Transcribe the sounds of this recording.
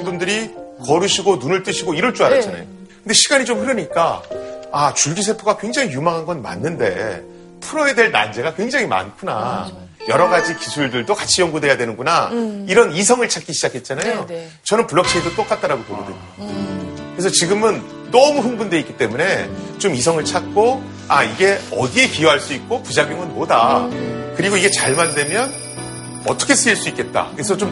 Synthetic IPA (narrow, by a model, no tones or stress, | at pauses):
bundɯɾikʌɾuɕʰiɡonunɯɭt͈ɯɕʰiɡoiɾʌɭt͡ɕ͈uaɾat͡ɕana̰jo | kɯndeɕʰiɡaɲit͡ɕomɸɯɾʌɲik͈a | at͡ɕuɭɡisʰe̞pʰoɡakwe̞ŋd͡ʑaŋijumaŋɦanɡʌnma̰nːɯnde̞̰ | pʰuɾʌedwe̞ɭna̰nd͡ʑe̞ɡakwe̞ŋd͡ʑaŋima̰nkʰuna̰ | jʌɾʌɡad͡ʑikisʰuɭdɯɭdokat͡ɕʰijʌŋɡudwe̞jadwe̞nɯnɡunaiɾʌnis̬ʰʌŋɯɭt͡ɕʰak͈iɕʰid͡ʑakʰe̞t̚t͡ɕ͈anajo | t͡ɕʌnɯnpuɭːʌk̚t͡ɕʰiidot͈ok͈at͈̚aɾaɡopoɡodweɲo | kɯɾe̞s̬ʰʌt͡ɕiɡɯmɯn | nʌmuɦɯnbundwe̞ik͈i̥t͈e̞mune̞t͡ɕomis̬ʰʌŋɯɭt͡ɕʰat̚k͈o | a̰iɡe̞ʌ̰die̞pijoɦaɭs͈uik̚k͈opud͡ʑaɡjoŋɯnmodakɯɾiɡoiɡe̞t͡ɕaɭmandwe̞mjʌn | ʌ̰tʰʌkʰe̞s͈ʰɯiɭs͈uik͈e̞t̚t͈a̰kɯɾes̬ʰʌt͡ɕom